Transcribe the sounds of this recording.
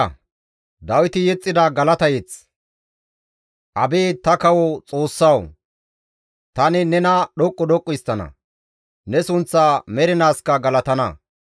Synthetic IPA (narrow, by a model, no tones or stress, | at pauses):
d̪ɐwɪt̪ɪjɛt͡sʼːɪd̪ɐɡɐlɐt̪ɐjɛt͡s | ʔɐbeːt̪ɐkɐwɔt͡sʼoːsːɐw | t̪ɐnɪnɛnɐɗɔkʼːɔd̪ɔkʼːʊjst̪ːɐnɐ̰ | nɛsʊnt͡sːaːmɛɾɪnaːskɐɡɐlɐt̪ɐnɐ